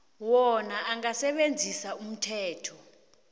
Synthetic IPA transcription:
wɔnaʔaŋasɛɓend͡zʱisaum̩tʰɛːtʰɔ

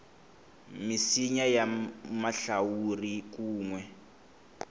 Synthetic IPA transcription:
misiɲajamaɬawurik̬uːŋwɛ

